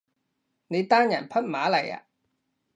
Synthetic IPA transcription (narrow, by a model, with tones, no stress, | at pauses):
ne˨˧jt̪aː˥njɐ˨˩npʰɐ˥t̚maː˨˥lɐ˨˩ja̰ː˧˨